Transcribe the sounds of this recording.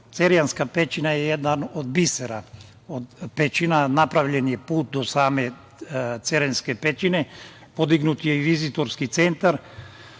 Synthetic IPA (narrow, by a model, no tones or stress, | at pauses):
t̪seɾjanskapet͡ʃinajɛjɛd̪nanod̪bisɛɾa | od̪pet͡ʃinanapɾaʋʎɛnjɛpuːt̪̚d̪osaːme | t̪seɾɛnskepet͡ʃine | pod̪iɡnut̪jeiʋizit̪oɾskit̪sent̪aɾ